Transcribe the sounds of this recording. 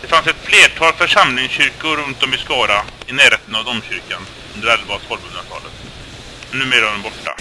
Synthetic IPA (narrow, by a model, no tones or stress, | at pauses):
d̪ɛfansɛt̪fleːʈʰɑːlfœʂamlɪŋsɕʏɾkʊɾɵnt̪ɔmɪskɑːɾaɪnæːɾheːt̪ənavd̪ɔmɕʏɾkan | ɵnd̪əɖɾalbɑːt̪hɔlbɵnd̪aʈʰɑ̰ːlə̰t̪ | ɛnːʉ̟ːmeːɾad̪ɛnbɔʈːa̰